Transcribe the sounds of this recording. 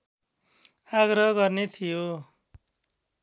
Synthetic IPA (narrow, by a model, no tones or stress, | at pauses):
aɡrʌɦʌɡʌrnet̪ʰijo